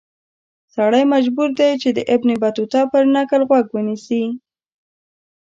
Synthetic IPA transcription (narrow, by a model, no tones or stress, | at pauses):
saɽajmad͡ʒbuɾd̪ajt͡ʃed̪əʔɪbnebat̪ut̪ɑpəɾnakəlɣwaɡwənisi